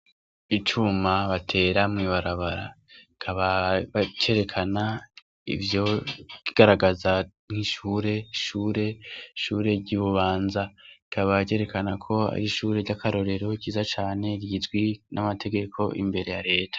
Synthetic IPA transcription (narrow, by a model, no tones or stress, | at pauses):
it͡ʃumaβatʰe̞ɾamŋiβaɾaβaɾa̰ | ikʰaβaβce̞ɾe̞kʰana | ḭvjo̞kiɡ̥aɾaɡaza | ŋ̥hiʃuːɾe̞ʃuːɾe̞ʃuːɾe̞ɾɟiβuβaːnzaikʰaβaɟe̞ɾe̞kanakʰo̞a̰ɾiʃuːɾeɾɟakʰaɾo̞ɾe̞ɾo̞kiːzat͡ʃaːne̞ɾɟizɡwinamatʰe̞ɡe̞kʰo̞̰ʔḭmbe̞ɾe̞jaɾe̞ːtʰḁ